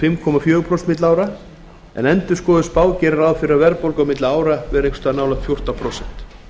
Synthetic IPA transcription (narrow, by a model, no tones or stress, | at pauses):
fɪmkʰɔmafjœːɣʏpʰɾɔst̪mɪt̪laːwɾa | ɛ̰nɛnt̪ʏ̥skɔːðʏspaːwcɛːɾɪɾaðfɪɾɪaɾvɛɾpolkawmɪt̪laaːwɾavɛɾekst̪ʏanaːwlafjɔr̥t̪apʰɾowsɛn̥t̪